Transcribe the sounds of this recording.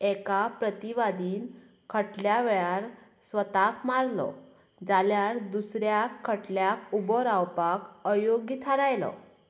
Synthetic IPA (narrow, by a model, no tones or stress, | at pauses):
ɛkapɾət̪iʋad̪iːn | kʰəʈljaʋeɭaɾ | sʋət̪akmaɾlɔ̰ | d͡zaljaɾd̪usɾjakʰːəʈljakubɔɾawpakəjoɡːit̪ʰaɾajlɔ̰